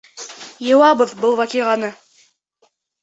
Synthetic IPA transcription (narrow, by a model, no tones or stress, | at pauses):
jɤ̆wɑbɤðbɤlˠvɑkiʁɑnɤ